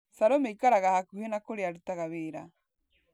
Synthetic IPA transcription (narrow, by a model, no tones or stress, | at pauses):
saɾomejkaɾaɣahakuhenakoɾeaɾut̪aɣaβeɾa